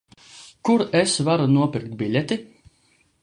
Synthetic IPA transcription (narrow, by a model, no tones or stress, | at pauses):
kuɾesvaɾunuɔpʲiɾk̚t̪bʲilʲet̪i